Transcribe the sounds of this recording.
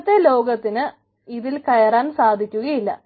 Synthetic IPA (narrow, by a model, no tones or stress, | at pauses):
t̪ːe̞lo̞ːɡɐt̪ːinɨ | iðilkɐjɐraːnsaːd̪ʱikʲːuɣɐjilːɐ̰